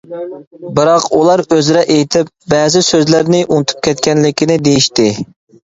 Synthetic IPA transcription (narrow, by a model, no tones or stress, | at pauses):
bɨɾɑqulˠɑɾøzɾɛʔejt̪ʰɪp̚bɛːzɪsøzlɪɾnɪʔunt̪ʰu̥p̚kʲʰɛt̪kʲɛnlɪkʲʰinɪd̪ejiʃt̪ɪ